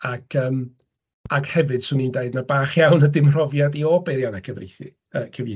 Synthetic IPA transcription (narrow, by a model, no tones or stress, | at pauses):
akʰəːm | aɡhɛvɨd̥sʊnindeɨdnabaːχjawnədɪmr̥ɔvjadiɔbɛɾjanakʰəvrḛθḭ | əkʰəvi